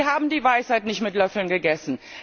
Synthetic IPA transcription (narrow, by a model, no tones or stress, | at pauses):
haːbm̩diːvaɪshaɪtnɪçtmɪtlœfl̩nɡəɡɛsn̩